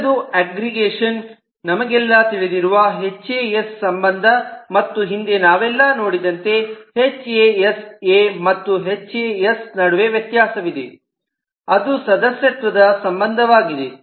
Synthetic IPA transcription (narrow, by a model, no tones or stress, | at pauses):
d̪uæːɡɾiɡeːʂɐnː | ɐmɐɡɛlːɐt̪iɭid̪iɾuʋɐɦet͡ʃːeːjesːɐmbɐnd̪ʱɐmɐt̪ːuɦind̪e̞naːʋɛlːɐno̞ːɽid̪ɐnt̪e̞het͡ʃːeeseːmɐt̪ːuɦet͡ʃːeːjesnɐɽuʋe̞ʋjɐt̪jaːsɐʋid̪e | ɐd̪usɐd̪ɐsjɐt̪ʋɐd̪ɐsɐmbɐnd̪ʱɐʋaːɡid̪e